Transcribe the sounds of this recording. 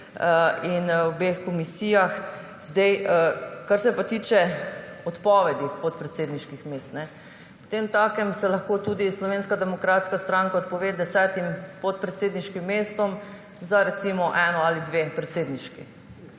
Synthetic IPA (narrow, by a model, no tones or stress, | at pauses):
inwbexkɔmisiːjax | zd̪ɛjəkaɾsɛpat̪iːt͡ʃɛɔt̪pɔʋɛd̪ipɔt̪̚pɾɛt̪seːd̪niʃkixmest̪nɛ | po̥t̪emt̪akɛmsɛlɐxkoːt̪uːd̪islɔʋeːnskad̪ɛmɔkɾaːt̪skast̪ɾaŋkaɔt̪̚pɔʋeːd̪ɛsɛt̪impɔt̪̚pɾɛt̪seːd̪niʃkimːeːst̪ɔm | zaɾɛt̪siːmɔʔɛːnɔalid̪ʋepɾɛt̪seːd̪niʃkḭ